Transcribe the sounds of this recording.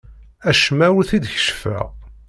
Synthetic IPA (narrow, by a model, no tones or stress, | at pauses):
æʃmæwθid̪çə̥ʃfæ̰ʁ